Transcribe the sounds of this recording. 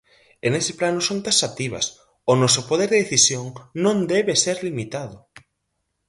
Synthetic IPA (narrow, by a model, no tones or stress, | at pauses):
enesɪ̥planʊsõnt̪asat̪iβɐ̰s | ʊnɔsʊpoð̞eɾðeðeθisjoŋnõnd̪ɛβeseɾlimit̪aðʊ